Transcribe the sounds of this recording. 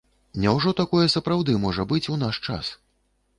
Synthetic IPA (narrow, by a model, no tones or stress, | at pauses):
nʲɛwʐɔt̪akɔjɐsɐpɾawd̪ɨmɔʐɐbɨt͡sʲunaʂt͡ʂa̰s